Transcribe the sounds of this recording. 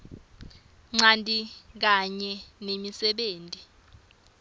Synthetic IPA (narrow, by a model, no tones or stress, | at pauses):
ŋ͡ǀantʼik̬aɲɛnemisɛɓeːntʼi